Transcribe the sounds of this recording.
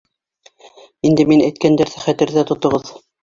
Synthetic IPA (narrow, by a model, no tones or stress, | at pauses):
ind̪ɘminæjt̪̚kænd̪æɾθæχæt̪ɘ̆ɾðæt̪ŏt̪ŏʁɤð